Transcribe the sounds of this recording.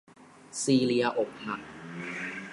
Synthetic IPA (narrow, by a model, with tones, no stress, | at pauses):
siː˧li˧ɐʔo˨˩k̚ha˨˩k̚